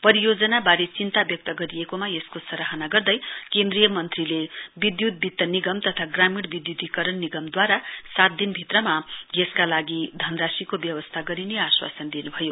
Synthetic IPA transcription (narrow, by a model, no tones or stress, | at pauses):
pʌɾijod͡zʌnabaɾet͡sint̪abjʌk̚t̪ʌɡʌɾijekomajeskosʌɾaɦʌnaɡʌrd̪ʌjkẽnd̪rijʌmʌnt̪rilebid̪jut̪̚bit̪ːʌniɡʌmt̪ʌt̪ʰaɡramiɽbid̪jud̪ikʌɾʌnːiɡʌmd̪waɾasat̪̚d̪inbʱit̪rʌmajeskalaɡid̪ʱʌnrasikobjʌwʌst̪ʰaɡʌɾineaswa̰sʌnd̪inubʱʌjo